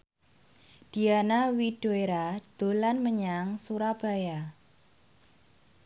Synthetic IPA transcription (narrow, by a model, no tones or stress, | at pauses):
d̥i̤anawid̥oeɾad̥o̤lanməɲaŋsuɾab̥a̤ja